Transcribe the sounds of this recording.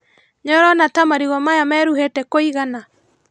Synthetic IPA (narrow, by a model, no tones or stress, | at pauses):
ɲɔɾɔnatamaɾiɣɔmajamɛːɾuhetɛkoiɣana